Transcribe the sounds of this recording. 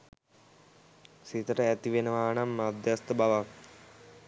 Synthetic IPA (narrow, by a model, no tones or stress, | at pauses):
sit̪ɾɐet̪iʋinɐʋaːɳɐmːɐd̪jɐst̪ɐbɐʋɐ